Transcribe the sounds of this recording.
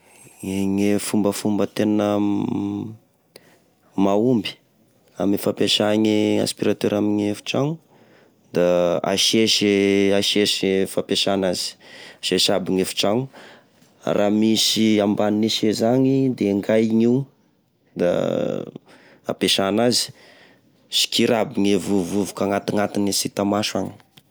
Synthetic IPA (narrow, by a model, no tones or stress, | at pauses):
eŋefumbəfumbət̪enə | maumbi̥ | a̰mefapeʃaɲia̰spiɾat̪øɾamiɲefu̥ʈ͡ʂaŋu | d̪aa̰ʃeʃaʃeʃifapeʃanazi̥aʃeʃabiŋefu̥ʈ͡ʂaŋṵ | rʔamisiambaniniʃezaɲid̪eŋɡajŋiu | d̪a̰ | a̰peʃanazi̥ | si̥kiɾabiŋevuvuvukaŋat̪iŋat̪inisit̪amaʃaɲi̥